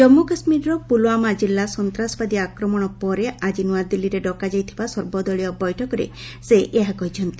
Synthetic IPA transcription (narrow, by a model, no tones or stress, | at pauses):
d͡ʒɔmːukasmiɾɾɔpuloamad͡ʒilːasɔnt̪ɾasɔ̥bad̪iakɾɔmɔɽ̃ɔpɔɾead͡ʒinuad̪ilːiɾeɖɔkad͡ʒajt̪ʰibasɔɾbɔd̪ɔɭijɔbɔjʈʰɔkɔɾḛ | seʔeɦakɔɦit͡ʃʰɔnt̪i̥